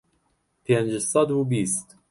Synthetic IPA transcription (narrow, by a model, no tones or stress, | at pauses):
θjænʒəsˤɑd̪ubist̪